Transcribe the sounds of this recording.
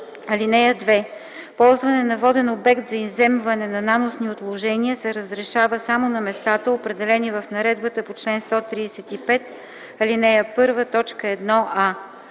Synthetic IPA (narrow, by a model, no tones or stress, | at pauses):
ɐlinɛjəd̪vɛ | pɔlˠzvɐnɛnɐvɔd̪ɛnobɛkt̪zɐizɛmvɐnɛnɐnanʊsniot̪lˠoʒɛniəsɛɾəzɾɛʃavəsamonɐmɛst̪at̪əopɾɛd̪ɛlɛnivəfnɐɾɛd̪bət̪əpot͡ʃlɛnst̪ɔt̪ɾisɛt̪ipɛt̪ | ɐlinɛjəpɤɾvət̪ɔt͡ʃkəɛd̪nɔʔa